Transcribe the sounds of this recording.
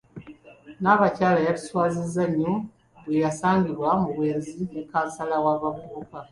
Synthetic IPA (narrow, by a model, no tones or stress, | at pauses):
naːβacaːlajatu̥swaːzizːaɲːo | bwejasaːŋɡiβwamuβweːnziekasalawaːβavuuka